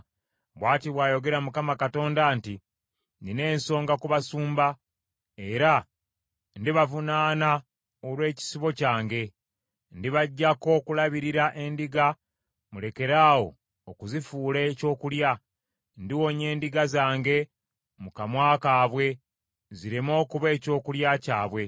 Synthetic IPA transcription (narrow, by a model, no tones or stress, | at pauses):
βwaːtiβwaːjo̞ɡe̞ɾamukamakato̞ːndanti | nine̞ːnso̞ːŋɡakuβasuːmba | e̞ɾa | ndiβavunaːna | olwe̞ːci̥siβo̞caːŋɡe̞ | ndiβaɟːako̞kulaβiɾiɾaʔe̞ndiɡa | mule̞ke̞ɾaːwo̞̰ː | kuzifuːleco̞ːkulja | ndiwo̞ɲe̞ːndiɡazaːŋɡe̞ | mukamwaːkaːβwe̞ | ziɾimo̞ːkuβe̞ːco̞ːkuljacaːβwe̞